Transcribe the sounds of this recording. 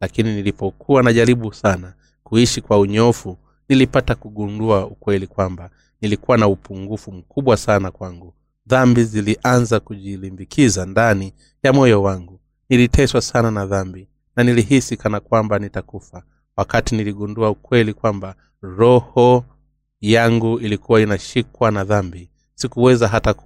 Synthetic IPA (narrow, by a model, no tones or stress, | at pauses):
lakininilipɔkʰuwanaʄaɾiɓusana | kuiʃikwauɲɔfu | nilipatakuɠunduaukwɛlikwamba | nilikuwanaupuŋɡufum̩kʰuɓwasanakwaŋɡu | ðambiziliʔanzakuʄilimbikizandani | jamɔjɔwaŋɡu | nilitʰɛswasananaðambi | naniliɦisikanakwambanitakufa | wakatiniliɠunduaukwɛlikwamba | ɾɔhɔ | jaŋɡuilikuwainaʃikwanaðambi | sikuwɛzaɦata